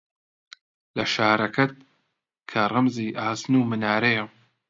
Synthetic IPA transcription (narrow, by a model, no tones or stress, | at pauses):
lɐʃaːɾɐkʰɐt̪̚ | kʰɐrˤɐmziːʔaːsnuːmɨnaːɾɐjɛ